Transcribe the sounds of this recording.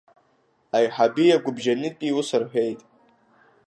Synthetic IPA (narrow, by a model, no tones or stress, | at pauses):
ajħabiaɡʷʊbʒanɨtʼiusɨrħʷᶣejtʼ